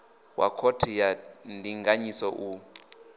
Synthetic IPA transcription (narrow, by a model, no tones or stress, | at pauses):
wʔa̰kʰotʰijandʱiŋɡaɲisɔʔu